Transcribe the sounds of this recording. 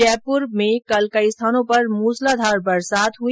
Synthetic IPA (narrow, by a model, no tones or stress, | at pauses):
ɛːpʊɾmẽkɐlkəist̪ʰaːnõpɐɾmuːslad̪ʱaːɾbəɾsaːt̪ɦu